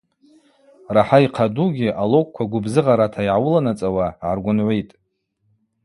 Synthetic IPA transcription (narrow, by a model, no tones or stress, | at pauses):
raħaiqʰaduɡʲiʔalokʷʼkʷaɡʷʊbzɨʁaɾatʰaiʕawʊlanat͡sʼawaʕarɡʷʊnʕʷejtʼ